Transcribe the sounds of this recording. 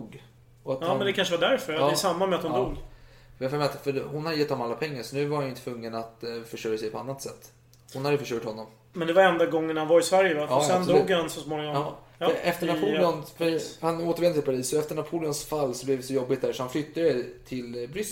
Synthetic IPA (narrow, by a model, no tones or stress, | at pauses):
ɡ | ɔat̪ːmɛnd̪ɛkʰanʂəvad̪æɾfœɾɑɛsamːamɛat̪hʊnduːɡ | fmɛat̪fœhʊnhad̪jɛt̪ːɔmalːapʰɛŋːaʂɔnʉ̟ːvaɾhanʏɪnət̪vɵŋːənat̪fœʂʈœɾjasɛjpʰɔanːat̪sɛt̪ː | hʊnhad̪əjʉfœʂœːʈhɔnːɔm | mɛnd̪ɛvaɾɛnd̪aɡɔŋːənhanvaɾɪsvæɾjəvaɑːsɛnd̪ːɡhansɔsmoːnɪŋɔɑːɛʔɛft̪əɳapʰuːlɔnfœfœhanoːt̪əɾɛnt̪ɪpʰaɾiːsɔɛft̪əɳapʰuːlɪɔnsfalːsɔblɛvd̪ɛsɔjɔbːɪt̪̚d̪æɾʂɔhanflʏt̪ːad̪ɛt̪ʰɪlbɾʏs